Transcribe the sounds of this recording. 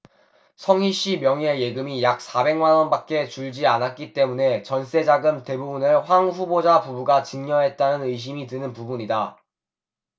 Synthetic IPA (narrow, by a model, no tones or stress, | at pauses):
sʰʌŋiɕ͈imjʌŋe̞je̞ɡɯmijak̚s͈abe̞ŋmanwʌnbak̚k͈e̞t͡ɕuɭd͡ʑianat̚k͈it͈e̞mune̞t͡ɕʌns͈e̞d͡ʑaɡɯmte̞bubunɯɭɸwaŋɸubod͡ʑapubuɡat͡ɕɯŋɲʌɦe̞t̚t͈anɯnɯjɕ̬imitɯnɯnpubuɲida